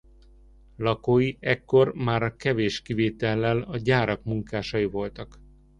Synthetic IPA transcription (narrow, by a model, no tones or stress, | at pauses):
lɒkoːjiɛkːo̞rmaːɾɒkɛveːʃkiveːt̪ɛlːɛlɒɟaːɾɒkmuŋkaːʃɒjivo̞lt̪ɒk